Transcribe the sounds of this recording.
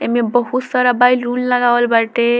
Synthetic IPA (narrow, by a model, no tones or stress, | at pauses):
emebʌɦut̪sʌɾabajlɾunlaɡawlbaʈe